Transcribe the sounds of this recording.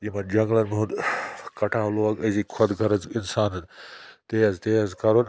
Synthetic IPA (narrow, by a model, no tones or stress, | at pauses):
d͡ʒimɐnd͡ʒɐŋɡlɐnmũnkɐʈʰaːloɐɡɐzikʰɐd̪ɡʱɐɾɐzinsaːnɐnt̪eɐzt̪eɐzkɐɾon